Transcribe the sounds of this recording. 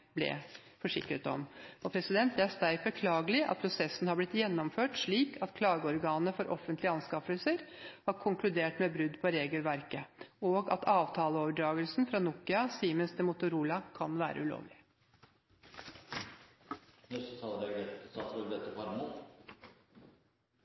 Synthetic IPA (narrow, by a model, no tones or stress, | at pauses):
blɛ̰ | fɔʂɪ̰kɾət̪ɔ̰mɔpʰɾɛsɪd̪ɛnt̪̚d̪ɛæʂt̪æɪfəkʰlɑːɡəlɪʔɑ̰t̪̚pʰɾʊsɛsn̩hɑblɪt̪jɛnːɔmføːʈʂɭiːkʰɑt̪kʰlɑːɡəɔɾɡɑːnəfɔɾʔɔfənt̪lɪɑnskɑfəlsəɾhɑɾkʰʊŋklʉd̪eːʈmɛbɾʉd̪pʰɔɾeːɡəlʋæɾkəoːɡɑ̰t̪ɑːʋt̪ʰɑːləoːʋəɖɾɑːɡəlsn̩fɾɑnuːkɪɑsiːmənst̪ʰɪmʊt̪ʊɾuːlɑkʰɑnʋæ̰ːɾʔə̰ʉlo̰ːʋlɪ | nɔsɔt̪ʰɑd̪ɛd̪ɛsɑt̪ɾoɡd̪ɛt̪ːəpɾnut̪